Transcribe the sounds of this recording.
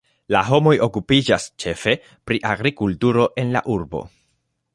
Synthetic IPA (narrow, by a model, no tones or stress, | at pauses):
laɦo̞mo̞jo̞kupid͡ʒast͡ʃe̞fe̞ | pɾiʔaɡɾikultuɾo̞ʔe̞nla̰ʔuɾbo̞̰